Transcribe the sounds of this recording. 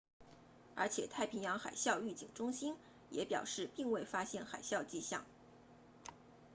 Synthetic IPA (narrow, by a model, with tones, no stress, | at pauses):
ə̰˞˧˥t͡ɕʰjɛ˨˩t̪ʰa˥˩ɪpʰi˧˥ŋjɑ˧˥ŋxa̰˨˩ɪɕjɑ˥˧ʊy˥˩t͡ɕi˨˩ŋʈ͡ʂʊ˥ŋɕi˥n | jɛ̰˧˥pjɑ̰˨˩ʊʂɻ̩˥˧pi˥˧ŋwe˥˩ɪfa˥ɕjɛ˥˩nxa̰˨˩ɪɕjɑ˥˧ʊt͡ɕi˥˧ɕjɑ̰˥˩ŋ